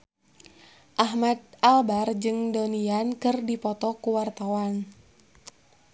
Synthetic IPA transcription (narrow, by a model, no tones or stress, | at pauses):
ʔaɦmad̪albard͡ʒɨŋdoniankɨrdipɔt̪ɔkuwart̪awan